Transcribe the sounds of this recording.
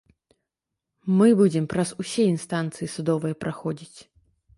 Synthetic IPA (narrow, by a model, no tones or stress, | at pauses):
mɨbud͡zʲɛmpɾɐzusʲɛjinst̪ant̪sɨjisud̪ɔvɨjɐpɾʔaxɔd͡zʲit͡sʲ